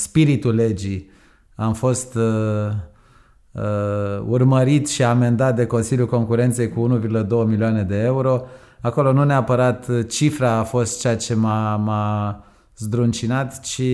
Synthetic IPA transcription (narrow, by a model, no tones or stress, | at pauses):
spiɾit̪ule̞d͡ʒi | amfo̞st̪ | urməɾit̪ʃiame̞nd̪at̪̚d̪e̞ko̞nsiljulko̞ŋkuɾe̞nt̪sejkuunuvʲirɡuləd̪o̞wəmilioane̞d̪e̞euɾo̞ | ako̞lo̞nuneapəɾat̪t͡ʃifɾaːfo̞st̪̚t͡ʃeat͡ʃe̞mama | zd̪ɾunt͡ʃinat̪t͡ʃi